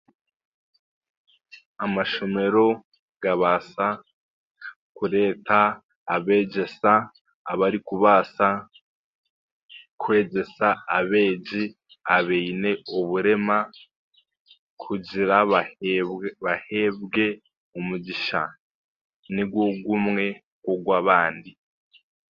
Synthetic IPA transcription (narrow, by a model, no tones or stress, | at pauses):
amaʃo̞me̞ɾo̞ | ɡ̥aβaːsa | kuɾe̞ːtaː | βe̞ːɟe̞saː | βaɾikuβaːsa | kwe̞ːɟe̞saaβe̞ːɟi | aβeine̞oβuɾe̞ma | kʰuɟiɾa | βahe̞βɡe̞ | umuɟiʃa | niɡɡwo̞ɡumŋe̞ | ɡwoɡwaːβaːndi